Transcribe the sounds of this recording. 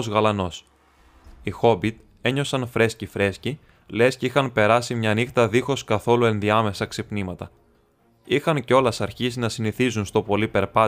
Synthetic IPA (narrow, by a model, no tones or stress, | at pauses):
zɣɐlɐno̞s | ixo̞bit̪ | e̞ɲo̞sɐnfɾe̞scifɾe̞sci | le̞sceixɐnpe̞ɾɐsimɲɐnixt̪ɐðixo̞skɐθo̞lue̞nðiɐme̞sɐksipnimɐt̪ɐ | ixɐnceo̞lɐsɐɾçisinɐsiniθizunst̪o̞po̞lipe̞ɾpɐ